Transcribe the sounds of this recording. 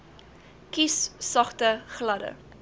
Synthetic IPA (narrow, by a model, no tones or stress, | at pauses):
kisːɐχtəχlɐdə̰